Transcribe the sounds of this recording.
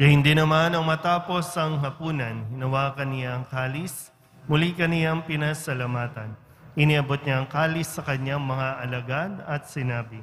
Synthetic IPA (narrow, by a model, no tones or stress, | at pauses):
ɡɐhɪnd̪inɐmanɐŋmɐt̪aːpo̞sɐŋɦɐpuːnɐnhɪnɐwaːkɐnɪjaɐŋkaːlɪs | mʊlikɐnɪjaŋpɪnasɐlamaːt̪ɐn | ʔɪniʔɐbot̪̚ɲaɐŋkaːlɪsːɐkɐɲaŋmɐŋaʔɐlɐɡanɐt̪̚sɪnaːbɪ